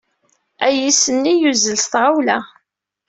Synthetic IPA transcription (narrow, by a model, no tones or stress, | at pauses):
æjisənːijuzəlst̪ʁawlæ